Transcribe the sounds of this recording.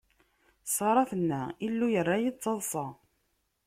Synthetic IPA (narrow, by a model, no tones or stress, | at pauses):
sˤɑɾˤɑθənːæilːujərˤːajit͡sːɑðˤsˤɑ